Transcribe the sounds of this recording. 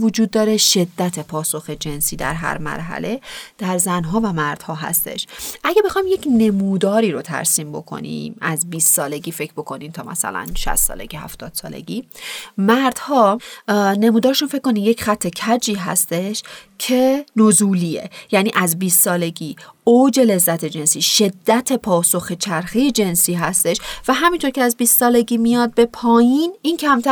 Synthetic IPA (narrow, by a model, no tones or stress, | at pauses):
vod͡ʒuːd̪̚ːɒːɾeʃe̞d̪ːæt̪ʰepʰɒːso̞xe̞d͡ʒe̞nsiːd̪æ̰ɾɦæ̰ɾmæ̰ɾɦæ̰le̞d̪̥æɾzænɦɒːvæmæɾd̪̥hɒːɦæ̰st̪e̞̰ʃʔæɟebe̞xɒjimje̞cʰne̞muːd̪ɒːɾiːɾot̪ʰæ̰ɾsiːmbo̞̰kʰo̞̰nḭmæzbiːssɒːle̞ɟiːfe̞cʰbo̞kʰo̞niːnt̪ʰɒːmʔæ̰sæ̰læ̰nʃæ̰st̪sɒ̰ːle̞̰ɡʲihæ̰ft̪ʰɒːd̪̥sɒ̰ːlḛɡiːmæɾd̪̥hɒːne̞muːd̪ɒːʃunfe̞c̚kʰːko̞niːmjecχæt̪ʰːe̞cʰæd͡ʒiːɦæ̰st̪e̞ʃcʰe̞nozuːliːḛjæniːʔæzbiːst̪sɒːle̞ɟiːoːd͡ʒe̞le̞zːæt̪ʰe̞d͡ʒe̞nsiːʃe̞d̪ːæt̪ʰepʰɒːso̞xe̞t͡ʃʰæɾxeje̞d͡ʒe̞nsiːɦæst̪e̞ʃvæɦæmint̪ʰo̞ɾcʰeæzbiːst̪sɒːle̞ɟiːmijɒːd̪̚be̞pʰɒːjiːnincʰæmt̪ʰæ